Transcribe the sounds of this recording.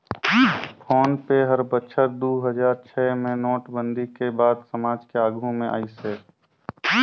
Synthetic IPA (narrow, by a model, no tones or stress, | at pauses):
pʰoːnpeɦəɾbətːʃʰəɾd̪uːɦəd͡ʒaːɾt͡ʃʰɛːmẽnoːʈbə̃nd̪ʱikebaːd̪səmaːd͡ʒkeaːɡũmẽʔa̰ːiseː